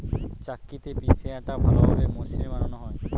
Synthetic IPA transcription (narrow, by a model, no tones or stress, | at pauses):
t͡ɕakːit̪ebiseaʈabʱalobʱabemosimebananoɦɔe